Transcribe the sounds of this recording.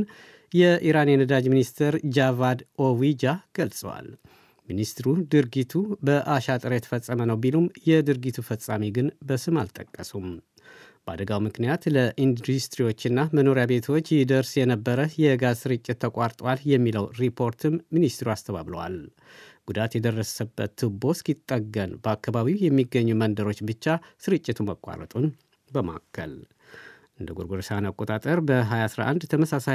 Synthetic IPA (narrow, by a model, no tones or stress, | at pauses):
n | jɛʔiɾanjɛnəd̪ad͡ʒminist̪ʰəɾd͡ʒavad̪owid͡ʒaɡ̥əlsʼə̰wa̰l | minist̪ɾud̪ɨɾɡit̪ʰubəʔaʃat̪ʼɨɾəjɛt̪ʰə̥fəsʼːəmənəwbilumjɛd̪ɨɾɡit̪ʰufəsʼamiɡɨnbəsɨma̰lt̪ʼəkʼːəsum | b̥əad̪əɡawmɨknijat̪ləʔind̪ust̪ɾiwo̞t͡ʃːɪnːaməno̞ɾjabe̞t̪ʰo̞t͡ʃːjɛd̪əɾsjɛnəbːəɾəjɛɨɡasɨɾɨt͡ʃʼːɪt̪ʰːəkʼaɾt̪ʼwaljɛmːiləwɾipʰo̞ɾt̪ʰɨmːinist̪ɾuast̪ʰəβa̰βlə̰wa̰l | ɡ̥ud̪at̪jɛd̪ərːəsəbːə̰t̪ːɨbo̞skit̪ʼːəɡənbəakːaβaβiwjɛmːiɡːəɲːumənd̪əɾo̞t͡ʃːbɨt͡ʃːasɨɾɨt͡ʃʼːɪt̪ʰuməkʼːa̰ɾə̰t̪ʼun | bəma̰kʰːə̰l | ʔɨnd̪əɡoɾɡoɾsanakʼo̞t̪ʼat̪ʼəɾbəɦajasɾa̰ʔand̪t̪ʰəməsasa